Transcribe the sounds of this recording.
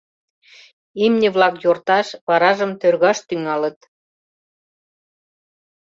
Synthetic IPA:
emnĕβlɑkjort̪ɑʃβɑɾɑʒəmt̪ørɣɑʃt̪yŋɑlə̆t̪

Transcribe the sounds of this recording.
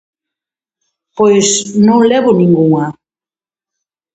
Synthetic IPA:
pojsnõŋlɛβʊnĩŋɡuŋɐ

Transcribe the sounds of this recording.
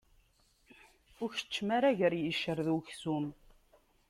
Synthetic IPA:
ʊɾçə̥t͡ʃːmaɾaʝəɾjəʃəɾðuçsum

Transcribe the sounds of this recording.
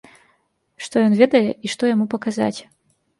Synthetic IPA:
ʂt̪ɔjɔnvʲɛd̪ɐjɛʔiʂt̪ɔjamupɐkaza̰t͡sʲ

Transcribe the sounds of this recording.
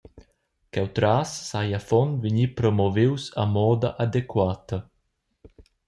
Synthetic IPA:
kɛwt̪ɾasːajafɔnviɲipɾɔmɔvewsa̰mɔːd̪aʔad̪ekwaːt̪ɐ

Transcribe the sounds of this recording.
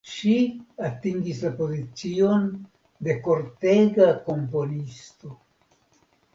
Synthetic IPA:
ʃiatiŋɡislapo̞zit͡sio̞n | de̞ko̞ɾte̞ɡako̞mpo̞nisto̞

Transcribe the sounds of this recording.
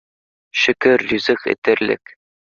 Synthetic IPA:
ʃɘ̆kɘɾlʲʉzɘχɘ̰̆t̪ɘ̆ɾlɘ̰k

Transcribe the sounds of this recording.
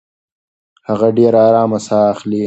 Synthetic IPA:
hɐɣɐɖeːɾaːɾaːmɐsaːxliː

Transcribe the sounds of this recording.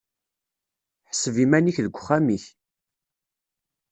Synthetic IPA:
ħə̥səvimæniçðəɡʷːχːamiç

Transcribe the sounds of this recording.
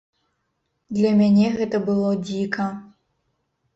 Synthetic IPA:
d̪lʲɐmʲanʲɛɣɛt̪ɐbɨlˠɔd͡zʲikɐ

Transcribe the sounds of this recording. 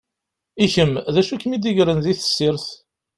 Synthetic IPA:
içəmðæʃukːmid̪iʝɾənðiθə̥sːiɾθ

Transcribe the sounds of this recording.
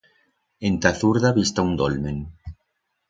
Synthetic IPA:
ent̪aθuɾðaβist̪aund̪olmeŋ

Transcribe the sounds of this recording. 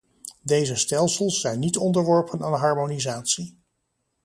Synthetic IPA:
dejzəstɛlˠsəlˠsːɛjnːitɔndəɹʋɔɹpənaːnɦɑɹmonizaːtsi

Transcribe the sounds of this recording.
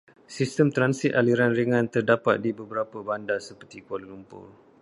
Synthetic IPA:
sist̪əmt̪ɾansit̪aliɾanɾəŋãnt̪ərdapa̰t̪̚dibəbəɾapəbandasəpərt̪ikoləlumpʊ̰r

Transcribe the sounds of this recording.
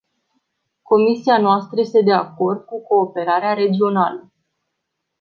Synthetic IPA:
ko̞misianoast̪ɾəjest̪e̞d̪e̞ako̞rd̪̚kuko̞ːpe̞ɾaɾeaɾe̞d͡ʒio̞nalə

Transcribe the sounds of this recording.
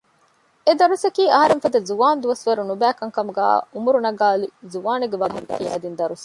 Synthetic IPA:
ed̪ɐɾusɐkiːɐɦɐɾeŋfɐd̪ɐzuʋaːnd̪uʋɐsʋɐɾunubæːkɐŋkɐmuɡæ̰ːumuɾunɐɡaːlizuʋaːneɡeʋɐd̪ɐkiːɐ̰d̪ind̪ɐɾus

